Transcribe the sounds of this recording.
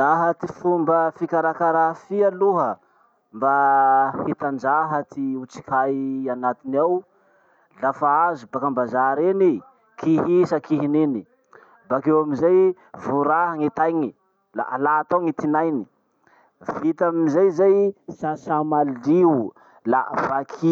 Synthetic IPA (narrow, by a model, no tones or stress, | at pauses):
aɦət̪ifumbəfikaɾakaɾafialuɦə | mbahet̪and͡ʒaɦət̪iut͡si̥kajanat̪inaw | lafaazubakambazaɾeni | kiɦisakiɦineni | bakewamizaj | vuɾaɦaŋet̪ajŋi | la̰a̰laːt̪awŋit̪inajni̥ | vit̪amiizajzajsasamali | la̰v̥akʰi